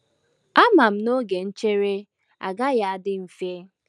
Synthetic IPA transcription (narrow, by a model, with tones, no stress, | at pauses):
a˦ma˨m̩˦no˦ɡe˨n̩˦t͡ʃe˦ɾe˦ | a̰˨ɡa˦ja˨a˨dɪ˦m̩˨fje˦